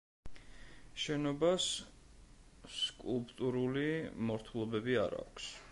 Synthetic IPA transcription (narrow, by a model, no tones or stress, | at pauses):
ʃɛnɔbas | skʼulˠpʼt̪ʼuɾulimɔɾt̪ʰulˠɔbɛbia̰ɾa̰ːkʰs